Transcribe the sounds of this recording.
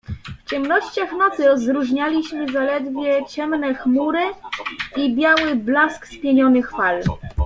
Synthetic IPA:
ft͡ɕɛmnɔɕt͡ɕaxnɔt̪sɘɾɔzɾuʐɲalʲiɕmɘzalɛd̪vʲjɛt͡ɕɛmnɛxmuɾɘ | ibʲjawɘblaskspʲjeɲɔnɘxfal

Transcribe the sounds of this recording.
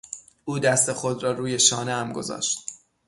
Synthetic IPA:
ʔuːd̪æst̪e̞xo̞d̪ɾɒːɾuːje̞ʃɒːnehæmɡo̞̰zɒ̰ːʃt̪̚

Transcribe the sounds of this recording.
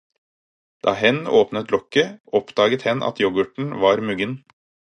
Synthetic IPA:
d̪̥ɑ̰ːhɛnoːpnət̪lɔkəʔɔpd̪ɑːɡət̪hɛnʔɑ̰t̪jɔɡʉʈɳ̩ʋɑːɾmʉɡən

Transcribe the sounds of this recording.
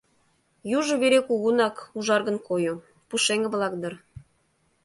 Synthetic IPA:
juʒŏβeɾekuɣunɑkuʒɑrɣə̆nkojo | puʃeŋə̆βlˠɑk̚d̪ə̆r

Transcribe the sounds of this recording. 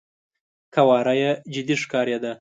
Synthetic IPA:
kʰawɑɾajed͡ʒɪd̪iʂkɑɾjed̪a

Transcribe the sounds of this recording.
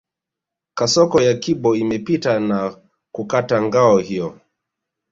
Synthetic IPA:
kasɔkɔjakibɔimɛpitana | kukataŋɡaɔhijɔ

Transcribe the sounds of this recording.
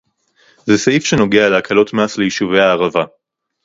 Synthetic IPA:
zesaifʃeno̞ɡealeakʰalo̞t̪maslejiʃuvejaːʁava

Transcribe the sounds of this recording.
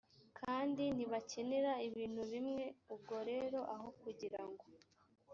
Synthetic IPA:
kʰaːndiniβace̞ne̞ɾaiβiːnhuβimŋe̞ubɡo̞ɾe̞ːɾo̞ʔaɦo̞kuɟiɾaŋɡo̞

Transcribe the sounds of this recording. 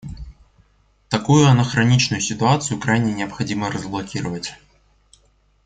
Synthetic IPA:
t̪ɐkujʊɐnəxɾɐnʲit͡ɕnʊjʊsʲɪt̪ʊat̪sɨjʊkɾajnʲɪnʲɪɐpxɐdʲimərəzblˠɐkʲiɾəvətʲ

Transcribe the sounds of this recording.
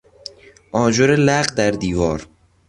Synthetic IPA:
ʔɒːd͡ʒoɾelæɢd̪æɾd̪iːvɒːɾ

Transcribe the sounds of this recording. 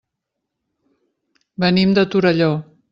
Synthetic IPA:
bənimd̪ət̪uɾəʎo

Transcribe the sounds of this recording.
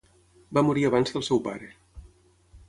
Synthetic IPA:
bamuɾiəβ̞anzðəlˠsɛwpaɾə

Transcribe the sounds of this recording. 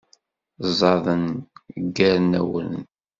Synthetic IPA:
zˤɑðˤənɡːæɾnæ̰wə̰n

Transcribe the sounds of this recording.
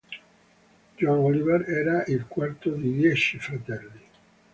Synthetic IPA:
d͡ʒɔnɔlivɛɾɛːɾaʔilkwart̪od̪id̪jɛt͡ʃifɾat̪ɛlːi

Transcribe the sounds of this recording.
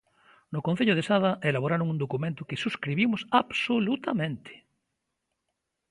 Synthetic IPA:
nʊkõn̟θeʎʊð̞esaðɐʔelaβoɾaɾoŋund̪okumẽnt̪ʊkɪsuskɾiβimʊsabsolut̪amẽnt̪ɪ̥

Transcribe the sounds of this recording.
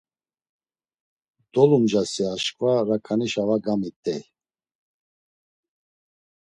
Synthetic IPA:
d̪̥ɔlumd͡ʒasiaʃkʼvaɾakʰaniʃavaɡamit̪ʼɛ

